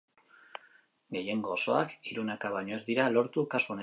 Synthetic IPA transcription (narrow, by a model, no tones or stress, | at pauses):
ɡe̞je̞ŋɡo̞ːso̞a̰kiɾunakaβaɲo̞e̞zd̪iɾalo̞ɾt̪ukasuo̞ne